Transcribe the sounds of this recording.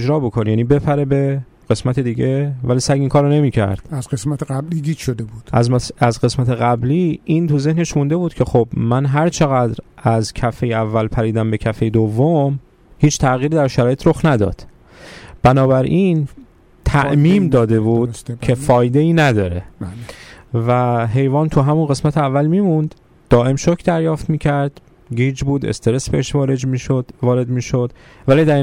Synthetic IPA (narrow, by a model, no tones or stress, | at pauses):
d͡ʒɾɒːbo̞kʰonjæːniːbe̞pʰæɾe̞be̞ | ɢ̥e̞smæt̪ʰed̪iːɟe̞væliːsæɡiːŋkʰɒːɾone̞miːcʰæ̰ɾd̪̥æzɡesmæt̪ʰeɣæbliːd̪iːd̪ʃod̪ebuːd̪̥zæzɡe̞smæt̪ʰe̞ɣæbliːint̪uze̞hne̞ʃmund̪e̞buːd̪̥cʰe̞xobmænɦæɾt͡ʃʰe̞ɣæd̪ɾæzcʰæfejeævːælpʰæɾiːd̪æmbe̞cʰæfejed̪ovːom | hiːt͡ʃʰt̪ʰæʔɣiːɾiːd̪æɾʃæɾɒːjet̪ɾoxnæd̪ɒ̰ːd̪̥ | b̥ænɒːbæɾʔin | t̪ʰæʔmiːmd̪ɒːd̪e̞buːd̪cʰe̞fɒːjd̪e̞iːnæd̪ɒːɾe̞ | væɦe̞jvɒːnt̪ʰuɦæmunɢe̞smæt̪ʰeævːælmiːmund̪̥ː | ɒːʔe̞mʃocʰd̪æɾjɒːft̪miːcʰæɾd̪̥ | ɡiːd͡ʒbuːd̪e̞̰st̪e̞ɾe̞sbe̞eʃvɒːɾed͡ʒvɒːɾe̞d̪miːʃod̪̥ | væliːd̪æɾ